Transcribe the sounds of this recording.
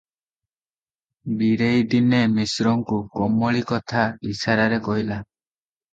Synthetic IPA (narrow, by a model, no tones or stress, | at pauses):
biɾejd̪inemisɾɔŋkuɡɔmɔɭikɔt̪ʰaisaɾaɾekɔɦila